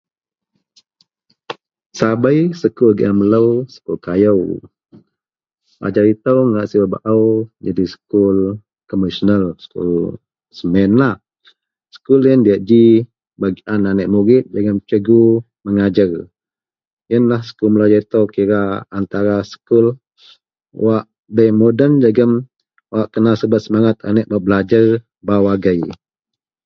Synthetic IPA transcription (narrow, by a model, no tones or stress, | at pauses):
sabəjsəkulɡɛmələwsə̥kulkajəw | a̰d͡ʒaɾit̪əwŋaʔsibaba̰ʔəwd͡ʒadisə̥kul | kɔməsənəlsə̥kṵl | səmɛnlah | sə̥kuljəndiaʔd͡ʒi | baɡiʔananəʔmuɾɪt̪̚d͡ʒaɡəmt͡ʃəɡu | məŋad͡ʒər | jənlahsə̥kulməlad͡ʒaɾt̪okiɾaːnt̪aɾasə̥kʊl | waʔ | bəmodənd͡ʒaɡəm | waʔkənasəbat̪̚səmaŋat̪a̰nəʔbaʔbəlad͡ʒar | bawaɡəj